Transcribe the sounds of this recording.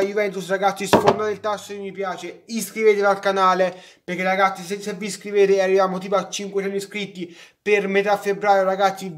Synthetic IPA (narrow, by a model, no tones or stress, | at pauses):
juvɛnt̪usraɡat̪sːisfond̪aelt̪asːokemːipjaːt͡ʃeiskɾiveːt̪ed̪alkanaːle | perk̟eraɡat̪sːisesevːiskɾiveːt̪earːivjaːmot̪̬iːpoat͡ʃːiŋkwet͡ʃɛnːiskɾit̪ːipermet̪afːebɾaːjoɾaɡat̪sːi